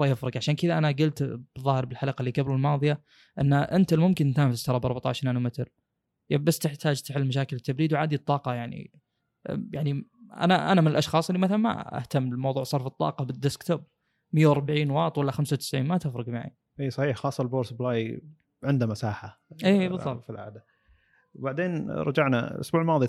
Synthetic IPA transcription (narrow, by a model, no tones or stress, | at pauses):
ɑjɪfɾɑɡʕaʃaːnkɪðaʔanaɡʊlt̪b̥ðˤːɑːhɪɾbɪlħalaqalːiːɡabɾalmɑːðˤɨja | ʔɪnːaʔɪnt̪almʊmkɪnt̪aːmfɪst̪ɑɾˤɑbɑɾˤbat̪aʕaʃɾʔanumɪt̪ɾ | jabasːt̪ɪħt̪ʰaːd͡ʒt̪ɪħɪlːmaʃ̬aːkɪlɪt̪ːabɾiːd̪wʕaːd̪it̪ˤːɑːqɑjaʕnḭ | jaʕniʔa̰naʔa̰namɪnɪlʔɑʃxɑːsˤɪlːimaθalanma̰a̰ht̪amːɪlmɑwðˤuːʕsˤɑɾˤfɨt̪ˤːɑ̰ːqɑbɪd̪ːɪskt̪ab̚ | mɪjːawɑɾˤbaʕiːnwɑːt̪ˤwalːaxamsawt̪ɪ̥sʕiːnmat̪ɪfɾˤɨɡmaʕḭ | ʔiːsˤɑħiːħxɑːsˤːɑlboːɾsblaːj | ʕɪnd̪amasaːħa | ʔeːbɨððˤːɑfilʕa̰ːd̪a | baʕd̪eːnɾˤɑd͡ʒaʕna̰ʔʊ̰sbuːʕɪlmɑːðˤi